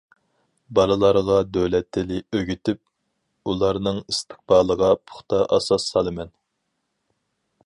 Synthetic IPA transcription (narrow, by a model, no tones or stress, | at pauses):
bɑlˠɨlˠɑɾʁɑd̪øwlɛt̪ʰːɪlɪøɡʲyt̪ʰyp̚ | ulˠɑɾnɨŋist̪ʰɨ̥q̚bɑːlˠəʁɑpʰʊ̥χt̪ʰɑʔɑ̰sɑsːɑlˠɨmɛn